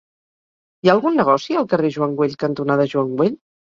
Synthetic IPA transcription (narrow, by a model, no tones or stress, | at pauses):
iaəlˠɣunːəɣ̞ɔsiəlˠkəreʒuaŋɡweʎkənt̪unaðəʒuaŋɡweʎ